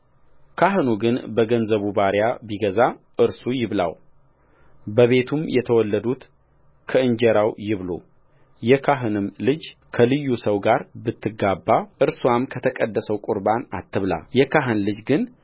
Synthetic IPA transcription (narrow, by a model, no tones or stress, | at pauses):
kʰaɦɨnuɡɨnbəɡənzəβubaɾjabiɡəza | ʔɨɾsujɪβla̰w | bəβe̞t̪ʰumjɛt̪ʰəwɔlːəd̪ut̪ | kʰəɨɲd͡ʒɛɾawjɪβlo̰ | jɛkʰaɦɨnɨmlɨd͡ʒkʰəlɨjːusəwɡaɾbɨt̪ʰːɨɡabːaʔɨɾswamkʰət̪ʰəkʼəd̪ːəsəwkʼuɾbanat̪ʰːɨβla̰jɛkaɦɨnlɨd͡ʒɡɨn